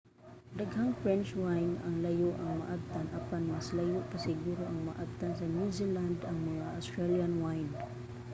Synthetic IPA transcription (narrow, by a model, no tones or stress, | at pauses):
d̪aɡhaŋfɹɛnt͡ʃwajnaŋlajʊʔaŋma̰ʔab̚t̪anʔapanmaslajʊʔpasɪɡuɾoʔaŋma̰ʔab̚t̪ansanjuziland̪aŋmaŋaʔost̪ɹaljanwajn